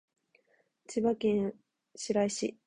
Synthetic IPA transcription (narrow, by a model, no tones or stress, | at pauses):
t͡ɕiβakẽ̞ɰ̃ | ɕiɾaiɕḭ